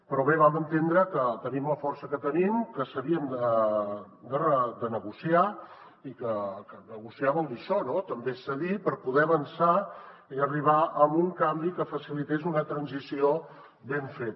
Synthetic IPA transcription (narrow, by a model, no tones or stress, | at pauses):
pɾɔβeβ̞amənt̪end̪ɾəkət̪ənimləfɔɾsəkət̪ənimkəsəβiəmd̪ə | d̪ərəd̪ənəɣusia | ikəkənəɣusiaβəlˠd̪iʃɔnot̪əmbesəðipəɾpuðɛəβənsaiəriβ̞aəmuŋkambikəfəsilit̪ezunət̪ɾənzisio | beɱfet̪